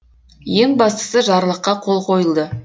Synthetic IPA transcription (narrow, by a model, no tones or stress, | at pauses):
je̞ŋbɑst̪ə̥səʒɑɾlˠəqːɑqʰolˠqʰo̞jəlˠd̪ə